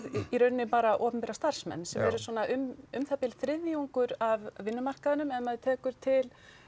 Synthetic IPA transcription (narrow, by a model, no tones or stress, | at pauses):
ðiɾœːɾnɪpaːɾaʔɔːpʏmpɛɾast̪ar̥smɛ̰nːsɛmvɛɾʏswɔnaʔʏmʏmθapɪlθɾɪðjuŋkʏɾavvɪnːʏmar̥kaðɪnʏmɛnːaðt̪ʰɛːkʏɾ̥t̪ʰɪl